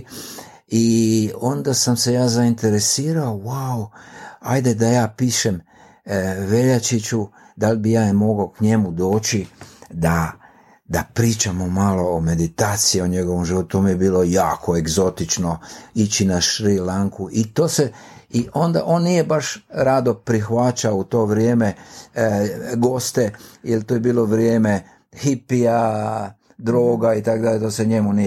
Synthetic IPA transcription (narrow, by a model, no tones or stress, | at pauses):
io̞nd̪asamse̞jaːzaint̪e̞ɾe̞siːɾao̞wawa̰jd̪e̞d̪ajaːpiːʃe̞m | ʋe̞ʎat͡ʃit͡ɕud̪albijaːjmo̞ɡokɲe̞mud̪o̞ːt͡ʃid̪a | d̪apɾiːt͡ʃamo̞malo̞ːme̞d̪it̪aːt̪sijio̞ɲe̞ɡo̞ʋomʒiʋo̞t̪ut̪omije̞biːlo̞jaːkʰo̞e̞ɡzo̞t̪it͡ʃno̞it͡ɕinaʃɾilaŋkuʔit̪oːse̞ | iʔo̞nd̪a̰ʔo̞ːnːnije̞baʃɾad̪opɾixʋat͡ʃaout̪o̞ːʋɾjeːme̞ | ɡo̞st̪ejelt̪ojebiːlˠo̞ʋɾjeːme̞ | xipia | d̪ɾo̞ːɡait̪akod̪aʎet̪oːseɲe̞muni